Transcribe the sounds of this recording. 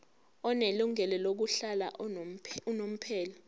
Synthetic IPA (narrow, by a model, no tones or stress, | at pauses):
ɔneluŋɛlɛlok̬uɬala̰ | unom̩pʰɛːlɔ